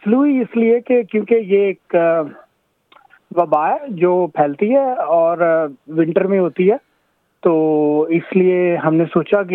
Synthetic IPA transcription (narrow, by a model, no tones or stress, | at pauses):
sluiɪsliekekjõːkejeːk | ʋɐbaːɦɛd͡ʒoːpʰɛːlt̪iɦɛɔːɾʋɪ̃ɳʈəɾmẽɦoːt̪iɦɛː | t̪oːɪslieɦɐmnesoːt͡ʃaki